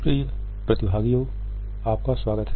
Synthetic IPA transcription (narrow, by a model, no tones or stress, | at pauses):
pɾiːɾ | pɾɐt̪ɪbʱaːɡijo | aːp̚kaswaːɡət̪ɦ